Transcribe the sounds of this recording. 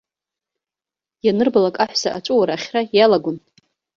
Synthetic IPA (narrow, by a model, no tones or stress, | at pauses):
janɨrbalakʼaħʷsaʔat͡ʃʷʼuwaɾaχʲrajalaɡʷʊn